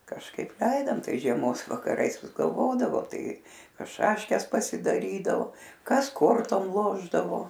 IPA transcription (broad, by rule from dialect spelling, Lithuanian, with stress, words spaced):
kɐʃˈkɐɪp ˈlʲɛɪdoːm ˈtɐɪs ʒʲiɛˈmoːs ʋɐkɐˈrɐɪs ʋʲɪs ɡɐlˠˈʋoːdɐʋoː ˈtɐɪ ˈkɐs ˈʃɑːʃʲkʲɛs pɐsʲɪdɐˈrʲiːdɐoː ˈkɐs ˈkoːrtoːm ˈlˠoːʒdɐʋoː